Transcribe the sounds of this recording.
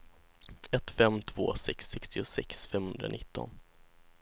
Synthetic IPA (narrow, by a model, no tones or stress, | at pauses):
ɛt̪fɛmt̪ʰvoːsɛksːɛkst̪ɪʊsɛksfɛmhɵnd̪ɾa̰nɪt̪ːɔ̰n